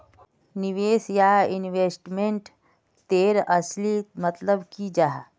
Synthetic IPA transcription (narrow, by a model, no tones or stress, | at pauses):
niʋeːsjaːɪnweːsʈmẽɳʈ | t̪eːɾəslimət̪ləbkid͡ʒaːɦ